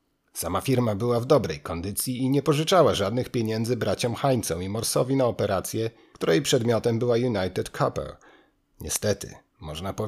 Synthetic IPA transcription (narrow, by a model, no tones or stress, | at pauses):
samafʲiɾmabɘwavd̪ɔbɾɛjkɔnd̪ɘt̪sʲjiːɲɛpɔʐɘt͡ʂawaʐad̪nɘxpʲjeɲɛnd̪zɘbɾat͡ɕɔ̃mxaɲt̪sɔ̃w̃imɔɾsɔvʲinaɔpɛɾat̪sʲjɛ | kt̪uɾɛjpʂɛd̪mʲjɔt̪ɛmbɘwajunajt̪ɛt̪kʰapɛ̰l | ɲɛ̰st̪ɛt̪ɘ̰ | mɔʐnapɔ